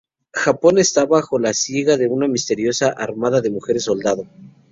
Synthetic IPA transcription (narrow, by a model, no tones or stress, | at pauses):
xapo̞ne̞st̪aβaxo̞lasjeɣaðe̞unamist̪e̞ɾjo̞saʔaɾmaðaðe̞muxe̞ɾesːo̞ld̪aðo